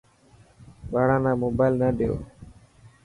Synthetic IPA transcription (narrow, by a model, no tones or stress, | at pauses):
baːɽãːnãːmoːbaːlnaːɗejo̰ː